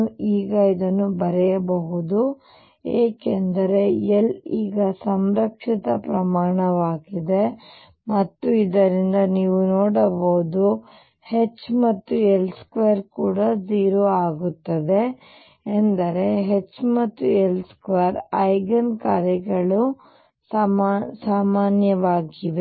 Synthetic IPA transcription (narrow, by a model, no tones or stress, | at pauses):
iːɡɐid̪ɐnːubɐɾɛjɐbɐɦud̪u | eːkend̪ɐɾe̞eliːɡɐsɐmɾɐkʂit̪ɐpɾɐmaːɳɐʋaːɡid̪e̞ | mɐt̪ːuid̪ɐɾind̪ɐniːʋunoːɽɐbɐɦud̪u | het͡ʃːmɐt̪ːuelskʋeːɾkuːɽɐd͡ʒiːɾoːaːɡut̪ːɐd̪e̞ː | nd̪ɐɾe̞ɦet͡ʃːmɐt̪ːuelskʋeɾɐjɡɐnkaːɾjɐɡɐɭu | saːmasaːmaːnjɐʋaːɡiʋe